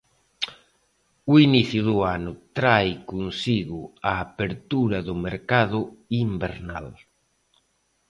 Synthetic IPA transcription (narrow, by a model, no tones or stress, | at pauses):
ʊiniθjʊðʊanʊt̪ɾajkonsiɣʊaːpeɾt̪uɾɐðʊmeɾkaðʊimbḛɾna̰l